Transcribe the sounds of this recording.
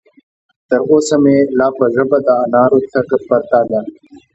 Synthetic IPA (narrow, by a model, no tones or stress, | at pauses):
t̪ɐɾoːsɐmelaːpɐzɐbɐd̪aːnaːɾot̪ʰɐkpɐɾt̪aːd̪a